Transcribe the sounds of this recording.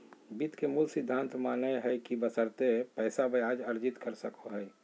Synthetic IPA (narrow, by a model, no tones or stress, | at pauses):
bit̪kemulsɪd̪ʱːãːnt̪maːneɦɛkibəsəɾt̪epɛːsabəaːd͡ʒəɾd͡ʒɪt̪kəɾsəkoɦɛː